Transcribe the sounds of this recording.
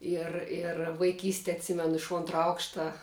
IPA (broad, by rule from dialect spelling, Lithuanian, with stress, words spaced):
ɪr ɪr ʋɐɪˈkʲiːsʲtʲɛ ɐtʲˈsʲɪmʲɛnʊ ɪʃ ˈoːntrɐ ˈɐʊkʃtɐ